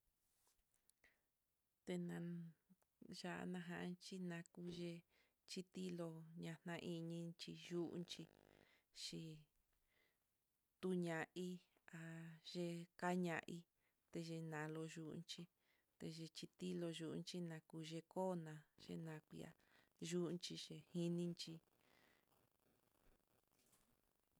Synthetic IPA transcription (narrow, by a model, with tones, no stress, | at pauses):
t̪e˧nã˧ | ʒa˧ʔnã˧ɦã̰˧nt͡ʃi˦nã˧ku˧ʒe˧ | t͡ʃi˦t̪i˦lo˧ɲã˧n̥ã˧ʔi˧ɲĩ˧t͡ʃi˧ʒu˦ʔnt͡ʃi˧ | ʃi˧ | t̪u˦ɲã˨ʔi˦ | a˧ʒe˧ka˦ɲã̰˧ʔi˦ | t̪e˧ʒe˧nã˨lo˧ʒu˧˦ʔnt͡ʃi˧ | t̪e˧ʒe˧t͡ʃi˧t̪i˦lo˧ʒu˧ʔnt͡ʃi˦nã˧ku˧ʒe˧koː˦nã˧ʒḛ˧nã˧kʷḭ˧a̰˧ | ʒu˦ʔnt͡ʃi˧ʃe˧hi˦nĩ˧nt͡ʃi˧